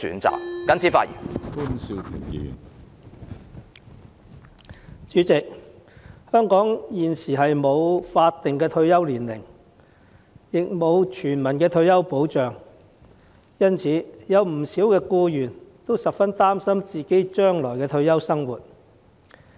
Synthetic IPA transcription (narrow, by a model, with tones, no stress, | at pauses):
sy̰ː˨˥nt͡sa̰ː˨k̚kɐ˨˥nt͡sʰiː˨˥faː˧˥ḭː˨˩nkuː˥nsi˧wt̪ʰɪ̰˨˩ŋjy̰ː˨n | t͡ʃyː˨˥t͡sɪ˨k̚ | hœː˥ŋkɔː˨˥ŋjiː˨nsiː˨˩ɦɐ˨jmo˨˧wfaː˧t̪ːɪ˨ŋkɛː˧t̪ʰɵ˧ɥjɐ˥wliː˨˩nlɪ̰˨˩ŋ | jɪ˨k̚mo˨˧wt͡ʃʰyː˨˩nmɐ˨˩nkɛː˧t̪ʰɵ˧ɥjɐ˥wpo˨˥wt͡ʃœː˨ŋ | jɐ˥nt͡sʰiː˨˧˥jɐ˨˧wm̩˨˩siː˨˥wkɛː˧kuː˧jyː˨˩nt̪o˥wsɐ˨pfɐ˥nt̪aː˥msɐ˥mt͡siː˨ke˨˥jt͡ʃœː˥ŋlɔː˨˩jkɛː˧t̪ʰɵ˧ɥjɐ˥wsɐ˥ŋwṵː˨˩t̚